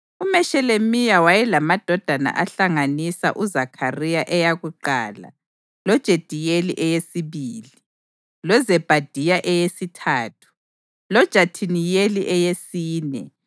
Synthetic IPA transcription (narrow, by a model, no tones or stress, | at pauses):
umɛʃɛlemijawajɛlamad̥ʱɔd̥ʱana̰ʔaɬaŋanisa̰ʔuzakʰarijaʔɛjaɣuǃa̰ːla̰ | lɔd̥ʒ̥ʱed̥ʱijelḭʔɛjesiβiːli | lɔzɛb̥ʱad̥ʱijaʔɛjesitʰaːtʰu̥ | lɔd̥ʒ̥ʱatʰinijeliʔɛjesiːnɛ̰